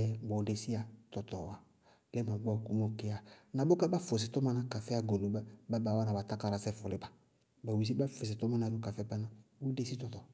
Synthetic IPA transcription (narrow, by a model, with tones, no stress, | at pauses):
boː˨˦de˨si˦a˨tɔ˨tɔ˨a˨ | lɛ˦ma˨ɡ͡bɔ˦˨ku˦mo˨ke˦a˨na˨bo˦ka˦ba˦fo˨s̬ɪ˨tɔ˦ma˦na˦ka˨fɛ˦a˦ɡo˨lo˨a˦ba˦ba˨wa˦na˨ba˨ta˦ka˨ɾa˨sɛ˦fʊ˨lɪ˨˦ba˨ | ba˨wi˨s̬i˦ba˦fo˨s̬ɪ˨tɔ˦ma˦na˨do˨ka˨fɛ˦ba˦na˨bo˦de˦si˦tɔ˨tɔ˨